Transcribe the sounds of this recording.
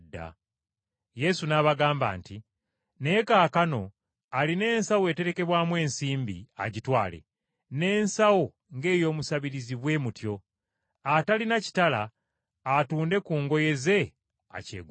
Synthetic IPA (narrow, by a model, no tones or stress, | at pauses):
dːa̰ | je̞sunaβaɡaːmba̰ːnti | ne̞ːkaːkano̞ | aline̞ːnsawe̞te̞ɾe̞ke̞βwaːmwe̞ːnsiːmbḭa̰ɟitwaːlḛ | ne̞ːnsawo | ŋɡe̞ːjo̞ːmusaβiɾiziβwe̞mutjo̞ | atalinaci̥tala̰ː | tuːnde̞kuːŋɡo̞je̞ze̞ | a̰cḛːɡ